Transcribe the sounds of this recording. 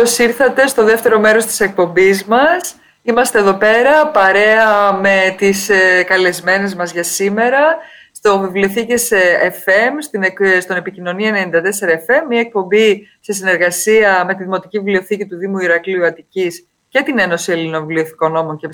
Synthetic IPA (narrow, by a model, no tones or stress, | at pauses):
osiɾθɐt̪e̞st̪o̞ðe̞ft̪e̞ɾo̞me̞ɾo̞st̪i̥se̞k̚po̞mbizmɐs | imɐst̪e̞ðo̞pe̞ɾɐpɐɾe̞ɐme̞t̪iskɐle̞zme̞ne̞zmɐzʝɐsime̞ɾɐst̪o̞vivlio̞θicesefe̞mst̪inst̪one̞picino̞niɐene̞nind̪ɐt̪e̞se̞ɾɐefe̞mːiɐe̞k̚po̞mbi | sesine̞ɾɣɐsiɐme̞t̪iðimo̞t̪icivivlioθicit̪uðimuiɾɐkliuɐt̪icis | ce̞t̪ine̞no̞sie̞linovivlio̞θi̥ko̞nːo̞mo̞nce